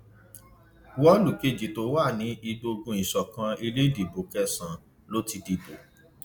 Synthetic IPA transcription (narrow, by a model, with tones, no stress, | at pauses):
wɔ˦lu˨ke˦˨d͡ʒi˨to˨˦waː˦˨nĩ˨˦i˧ɡ͡bo˧ɡũ˧˦ĩ˨ʃɔ˨kã˧i˧le˦di˨bo˨kɛ˦sã˨ | lo˦ti˧di˨bo˨